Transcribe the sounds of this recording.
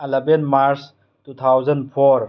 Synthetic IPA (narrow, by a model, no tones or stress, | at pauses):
ɐlɐbenmaɾs | tut̪ʰawzɐnpʰɔɾ